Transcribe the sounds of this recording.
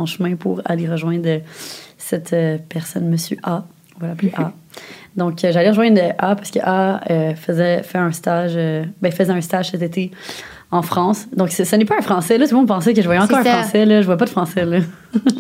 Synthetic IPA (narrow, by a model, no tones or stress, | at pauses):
ɔ̃ʃəmɛ̃puʁa̰leʁəʒwɛ̃d̪ʁəsɛt̪ʰøpɛʁsɔ̰nməsy̰ʔã | valapleʔa | d̪ɔ̃kʰøʒaleʁəʒwɛ̃d̪ʁəʔapaʁsəkə̰ʔaøfəzɛfɛɛ̃st̪aʒøbɛ̃fəzɛɛ̃st̪aʒ̥sɛt̪et̪e | ɑ̃fχɑ̃sd̪ɔ̃ksɛsənɛpaɛ̃fχɑ̃sɛlɔt̪ulmɔ̃d̪pɑ̃sɛk̬əʒəvwajɛɑ̃kɔːʁ̃ɛ̃fʁɑ̃sɛlɔʒəvwajɛpad̪əfχɑ̃sɛlɔ